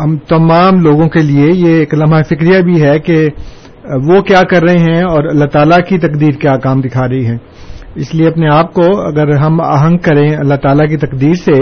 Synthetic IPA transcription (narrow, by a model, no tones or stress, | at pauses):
ɦɐmt̪ɐmaːmloːɡõkeliejeːklɐmafɪkɾijabʱiɦɛke | ʋokjaːkɐɾːɐɦẽɦɛ̃ɔːɾɐlːaɦt̪aːlakit̪ɐqd̪iːɾkjaːkaːmd̪ɪkʰaːɾɐɦiɦɛ̃ː | ɪslieɐpneaːp̚koɐ̰ɡəɾɦɐma̰ːɦə̃ŋɡkɐɾẽɐlːaɦt̪aːlak̬it̪ɐqd̪iːɾse